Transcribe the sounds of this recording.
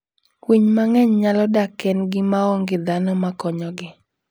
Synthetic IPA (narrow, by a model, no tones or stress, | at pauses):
wiɲmaŋɛɲɲalɔdakɛnɡɪmaɔŋɡɪd̪anɔmakɔɲɔɡɪ